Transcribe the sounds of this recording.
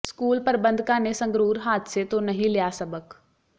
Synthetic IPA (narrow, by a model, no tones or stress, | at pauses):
skuːlpəɾbə̃nd̪kanesə̃ŋɡɾuːɾɦaːt̪set̪onɐɦĩlɪjasɐbək